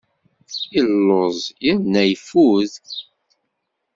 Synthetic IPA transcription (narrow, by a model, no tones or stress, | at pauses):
ilːozˤjənːæjfuð